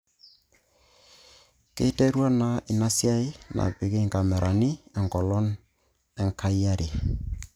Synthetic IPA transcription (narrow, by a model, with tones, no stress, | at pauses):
kɪ̰˦te˦ɾwa˦na˨ɪ˨na˦sja˦ɪ˦na̰˨pɪ˨kɪ˦˨ŋka˨mɛ˨ɾʔa˨ni˦ɛ˨ŋkɔ˨lɔ˦n | ɛ˦ŋkʰa˦i˦a˦ɾi˨